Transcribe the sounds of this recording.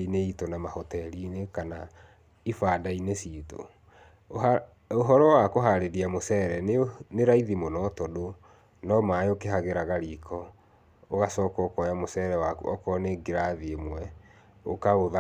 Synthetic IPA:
ineitɔnamahɔtɛlinekana | ifaːdainesito̰ | oɦɔɾɔwakoɦaɾeɾiamosɛɾɛnneɾaiðimonɔtɔdo | nɔmaːeokeɦaɣeɾaɣaɾikʰɔ | oɣasɔːkɔkɔjamosɛɾɛwaɔ̰kɔneɡeɾaðiemwɛ | o̰kaɣoða

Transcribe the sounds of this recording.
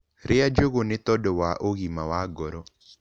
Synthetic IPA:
ɾɪad͡ʒoɣonɪt̪ɔdɔwaʔoɣimawaɡɔɾɔ

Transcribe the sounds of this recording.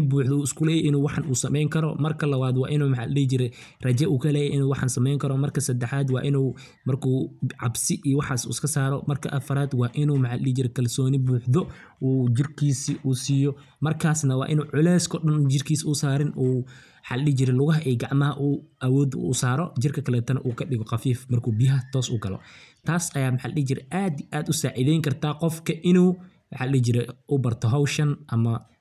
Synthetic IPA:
ɪbuːħd̪ɔuːɪskʰʊlɛːjɛʔɪnuːwɑħɑnʔuːsɐmɛjŋkʰɐɾɔ̰mɐrkʰɐlɐwaːd̪wɑ̰ːʔɪnuːmɐħɑ̰llɪt͡ʃɪɾɛ | rɐt͡ʃɛʔuːkʰɐlɛːjɛʔɪnuːwɑħɑ̰nsɐmɛjŋkʰɐɾɔmɐrkʰɐsɐd̪ːɛħaːd̪wɑ̰ːʔɪnuː | mɐrkʰuːʕɑbsɪʔiːwɑħaːsṵːɪskʰɐsaːɾɔmɐrkʰɐʔɐfɐɾaːd̪wɑːʔɪnuːmɐħɑllɪd͡ʒɪɾɛkʰɐlsɔːnɪbuːħd̪ɔ | uːd͡ʒɪrkʰiːsiʔuːsiːjɔ | mɐrkʰaːsnɐwɑ̰ːʔɪnuːʕʊlɛːskʰɔɗɐnd͡ʒɪrkʰiːsʊsaːɾɪnʔuː | ħɑllɪhd͡ʒɪɾɛlʊɣɐɦɐʔɛːɡɑʕmɐɦɐʔuːʔɐwɔːd̪ːsaːɾɔd͡ʒɪrkʰɐkʰɐlɛːt̪ʰɐnɐ̰ʔuːkʰɐɗɪɣɔqɑfiːfmɐrkʰuːbɪjɦɐt̪ʰɔːsʊ̰ɡɐlɔ̰t̪ʰaːsɐjaːmħallɪhd͡ʒɪɾɛ̰ʔaːd̪iʔaːd̪ʊsaːʕɪðɛjŋkʰɐrt̪ʰaːqɔfkʰɐʔɪnuː | mħɑlɪd͡ʒɪɾɛʔʊbɐrt̪ʰɔɦawʃɐnʔɐmɐ

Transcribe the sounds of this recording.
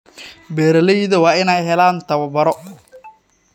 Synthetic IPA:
bɛːɾɐlɛjðɐwɑːɪnɛjɦɛlaːnt̪ʰɐβɐbɐɾɔ

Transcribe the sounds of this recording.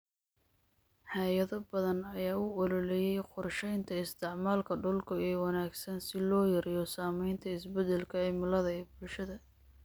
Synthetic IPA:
ħɑːjɐðɔbɐðɐnɐjaːʊɔlɔlɛjɛjqʊrʃɛjnt̪ʰɐɪst̪ʰɪʕmaːlkʰɐɖʊlkʰɐiːwɑnaːɡsɐnsɪlɔːjɐɾɪjɔsaːmɛjnt̪ʰɐɪsbɛd̪ɛlkʰɐɛmʊlɐðɐɛːbʊlʃɐðɐ

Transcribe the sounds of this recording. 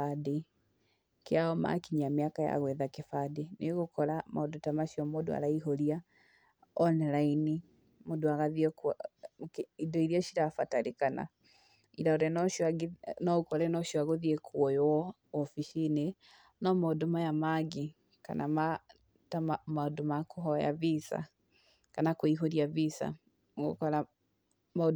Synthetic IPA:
ade | keaɔma̰kiɲameakaja̰ɣwɛðakefadeneɣokɔɾama̰odotamaʃijɔmodo̰a̰ɾaiɦoɾia | ɔnɛɾaini | modoaɣaðiɛk | idɔiɾiaɕiɾafataɾekana̰ | iɾaoɾɛn | nɔkɔɾɛnɔʃwaɣoðiekʰwɔjwɔː | fiʃine | nɔmaodomajamaɡi | ka̰nʔama | taamaodomakoɦɔja̰βisa̰ | kanakoiɦoɾiaβisa̰ | ɡo̰kɔɾa | ma

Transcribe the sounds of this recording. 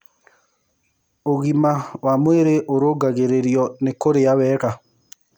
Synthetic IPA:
oɣimawamweɾeʔoɾoɡaɣeɾeɾjɔnekoɾeaβɛːɣa

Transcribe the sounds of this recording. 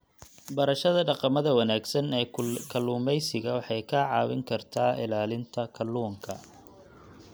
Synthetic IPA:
bɐɾɐʃɐðɐɖɑqɑmɐðɐwɐnaːɡsɐnɛːkʰɐlːuːmɛjsɪɣɐwɑħɑjkʰɐʕɑːwɪ̰ŋkʰɐrt̪ʰaːɪ̰laːlɪnt̪ʰɐkʰɐlːuːŋkʰɐ̰

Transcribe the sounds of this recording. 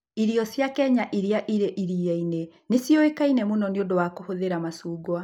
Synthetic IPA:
iɾiɔsjakɛɲaʔiɾeaʔiɾeʔiɾiaine | nesjoekainɛmonɔneodowakohoðeɾamasuːɡwa

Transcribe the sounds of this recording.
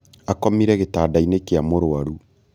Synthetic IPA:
akɔmiɾɛɣetaːdainekeamoɾoaɾu

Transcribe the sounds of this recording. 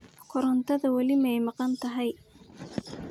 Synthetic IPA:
kʰʊɾɔnt̪ʰɐðɐwɐlɪmɛjmɑqɑnt̪ʰɐɦɛj

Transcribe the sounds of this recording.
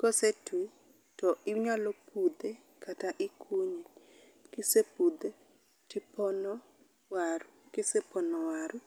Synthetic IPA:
kɔsetwi | tɔʔɪɲalopʰud̪e | kataʔɪkʰuɲe | kɪsepud̪e | tɪpɔnɔ | waɾukɪsepɔnɔwaɾu

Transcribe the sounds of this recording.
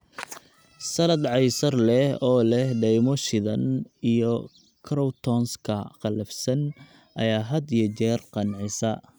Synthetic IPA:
sɐlɐd̪ʕɑjsɐrlɛhɔːlɛhɖɛjmɔʃɪðɐnijɔ | kʰɾɔwt̪ʰɔnskʰɐqɑlɐfsɐn | ʔɐjaːɦɐd̪ijɐt͡ʃɛːrqɑnʕɪsɐ

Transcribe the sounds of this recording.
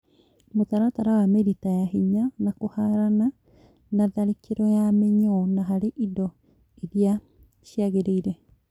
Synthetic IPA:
motaɾataɾawameɾitajaɦiɲanakohaɾana | naðaɾikeɾɔjameɲɔnaɦaɾeʔidɔ | iɾia | ʃiaɣeɾeiɾɛ

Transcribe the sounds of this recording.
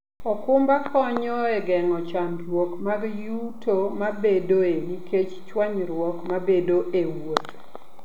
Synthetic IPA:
ɔkʊmbakʰɔɲɔɛɡɛŋɔt͡ʃamwokmaɡjutomabedoeniket͡ʃt͡ʃwaɲɾwɔkmabedoʔewot

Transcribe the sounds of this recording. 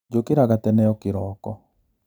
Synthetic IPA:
d͡ʒokeɾaɣatɛnɛjɔkeɾɔːkɔ

